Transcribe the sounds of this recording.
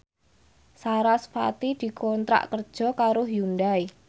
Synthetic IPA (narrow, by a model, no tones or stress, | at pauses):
saɾaspa̰t̪id̪̥i̤kɔnt̪ɾa̰ʔkərd̥ʒ̥ɔ̤kaɾʊɦjunɖai